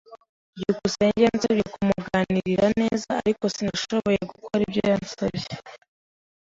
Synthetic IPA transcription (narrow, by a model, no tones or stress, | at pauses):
jukuseɲɟenzeβjeokumuɡaːniɾiɾane̞ːzaa̰ɾiko̞sinaʃo̞βo̞je̞ɡukʰoɾibɟojanso̰βje